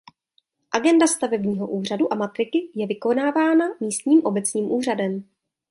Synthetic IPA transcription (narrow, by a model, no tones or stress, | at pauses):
ʔaɡɛndast̪avɛbɲiːɦo̞ʔuːr̝aduʔamat̪ɾɪkɪjɛvɪko̞naːvaːnamiːst̪ɲiːmʔo̞bɛt͡sɲiːmʔuːr̝adɛm